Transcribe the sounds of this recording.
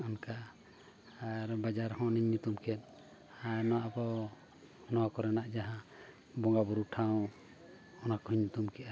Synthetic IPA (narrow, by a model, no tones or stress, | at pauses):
ɔnka | aɾbad͡ʒaɾhɔ̃ʔniɲːut̪umkʰɛt̪̚ | anɔwaʔpɔ | nɔwakɔɾɛnaʔd͡ʒaɦã | bɔŋɡabuɾuʈʰaw̃ | ɔnakɔiɲːut̪umkɛʔa